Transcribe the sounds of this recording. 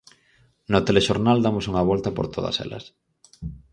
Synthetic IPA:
not̪eleʃoɾnald̪amosuŋɐβ̞ɔlt̪ɐpo̰ɾt̪oð̞ɐ̰sḛlɐ̰s

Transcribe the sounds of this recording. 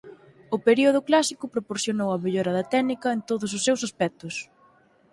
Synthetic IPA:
ʊpeɾioð̞ʊklasikʊpɾopoɾθjonowɐmeʎoɾɐðɐt̪ɛnikɐent̪oðʊs̬ʊsːewsaspɛk̚t̪ʊs

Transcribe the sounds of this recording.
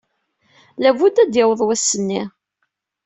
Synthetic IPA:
lævud̪æd̪jɪwəðˤwæsːənːi

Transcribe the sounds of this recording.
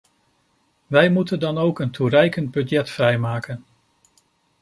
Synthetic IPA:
ʋɛjmutəndɑnowkənturɛjkənd̚bɵdjɛtfrɛjmaːkən

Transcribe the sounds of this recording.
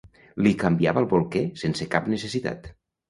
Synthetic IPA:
likambiaβəlˠβolˠkɛsensekapnəsəsit̪a̰t̪

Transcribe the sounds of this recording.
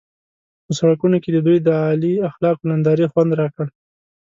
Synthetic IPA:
pəsaɽakunoked̪əd̪ujd̪əɑliaxlɑqonand̪ɑɾixwand̪ɾɑkəɽ

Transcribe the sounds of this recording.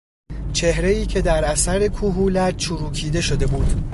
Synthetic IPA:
t͡ʃʰe̞ɦɾe̞iːcʰe̞d̪æɾʔæsæɾe̞kʰuɦuːlæt͡ʃʰuɾuːkʰiːd̪e̞ʃod̪e̞buːd̪̥

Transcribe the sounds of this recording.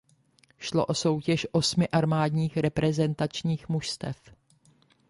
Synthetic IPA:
ʃlo̰ʔo̞so̞wcɛʃʔo̞smɪʔaɾmaːdɲiːxɾɛpɾɛzɛnt̪at͡ʃɲiːxmuʃst̪ɛf

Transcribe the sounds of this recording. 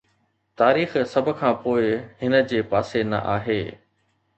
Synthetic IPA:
t̪aːɾiːxsɐbʱʊ̆kʰãːpoːɪɦɪnə̆d͡ʑeːpaːsenɐ̰ʔa̰ːɦeː

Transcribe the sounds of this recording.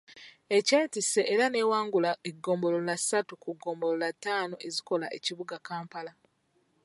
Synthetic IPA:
e̞ceːtiseʔeɾane̞ːwaːŋɡulaeɡːo̞ːmbo̞lolasatukuɡo̞ːmbololatːaːno̞ʔeziko̞laʔḛciβuɡakaːmpala

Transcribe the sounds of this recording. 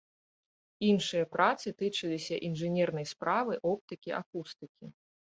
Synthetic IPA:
inʂɨjɐpɾat̪sɨt̪ɨt͡ʂɨlʲisʲɐʔinʐɨnʲɛrnɐjspɾavɨʔɔp̚t̪ɨkʲiʔakust̪ɨkʲi

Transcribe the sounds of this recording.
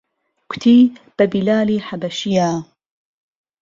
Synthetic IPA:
kʷʊ̥t̪ʰiːb̥abilaːliːħabɐʃijaː

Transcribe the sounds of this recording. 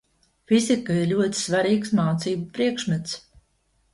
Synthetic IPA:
fizikaiɾlʲuɔt̪i̥svaɾiːksmaːt̪siːbupɾiɛkʃmɨt̪s

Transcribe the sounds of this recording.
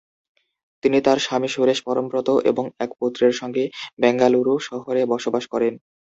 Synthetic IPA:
t̪init̪aɾʃamiʃuɾeʃpɔɾompɾot̪oʔḛboŋɛkpot̪ːɾeɾʃɔŋɡebɛŋɡaluɾuʃɔɦoɾebɔʃobaʃkɔɾen

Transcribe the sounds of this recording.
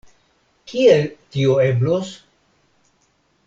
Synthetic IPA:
kʰielt̪ioeblos

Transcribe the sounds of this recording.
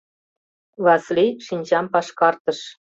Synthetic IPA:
vɑsliʃinʲʑɑmpɑʃkɑrt̪ə̆ʃ

